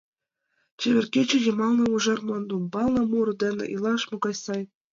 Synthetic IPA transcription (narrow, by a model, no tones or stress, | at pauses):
t͡ɕeβʲĕrkʲet͡ɕĕjɤ̆mɑlˠnɤ̆uʒɑrmond̪umbɑlˠnɤ̆muɾɤ̆d̪ĕnḛʔilˠɑʃmoɡɑjsɑj